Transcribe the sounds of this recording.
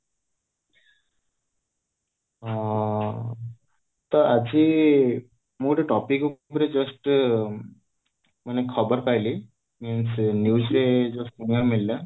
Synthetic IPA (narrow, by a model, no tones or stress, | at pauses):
t̪ɔad͡ʒi | muʈeʈɔpikubɾed͡ʒʌsʈ | manekʰɔbɔɾpajli | minsnjusɾed͡ʒʌsʈ̚uniaɾmilila